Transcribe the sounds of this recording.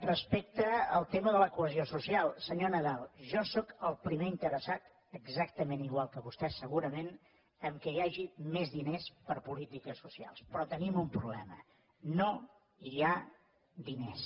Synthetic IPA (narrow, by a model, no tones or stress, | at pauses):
rəspek̚t̪əəlˠt̪eməðələkuəziosusialˠsəɲonəðalˠʒɔsɔkəlˠpɾimeint̪əɾəsat̪ | əɡzak̚t̪əmeniɣwalˠkəβust̪ɛsəɣuɾəmen | əŋkɛjaʒimezðinespəɾpulit̪ikəsusia̰lˠspɾɔt̪ənimumpɾuβlɛmə̰ | no | ia | d̪ines